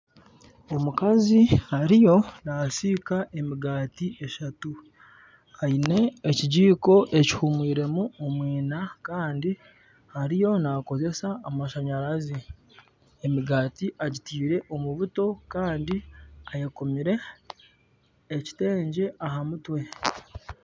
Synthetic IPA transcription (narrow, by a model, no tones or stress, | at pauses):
o̞mukazihaɾijo̞nasikaʔe̞miɡaːtiʔe̞ʃatu | haine̞ːciɟiːko̞ʔe̞ci̥humwiːɾe̞muomwiːnakaːndi | haɾijo̞nako̞ze̞saːmaʃaɲaɾazi | emiɡaːtiʔaɟitiːɾe̞ʔo̞muβuto̞kaːndiajekomiɾe̞ | ci̥te̞ːɲɟe̞ʔaɦamutwe̞